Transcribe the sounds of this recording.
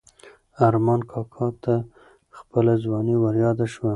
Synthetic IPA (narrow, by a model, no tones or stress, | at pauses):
aɾmɑnkʰɑkʰɑt̪a | xpəlazwɑnewaɾjɑd̪aʃwa